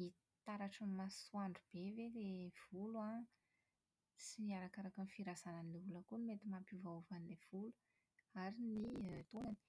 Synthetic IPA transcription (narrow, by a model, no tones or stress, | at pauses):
i | t̪aɾaʈ͡ʂanmasuaɳɖ͡ʐub̥evelev̥ulua | siniaɾakaɾakanfiɾazananiulakunimet̪imapuvauvanilev̥ulu̥ | aɾinit̪onani̥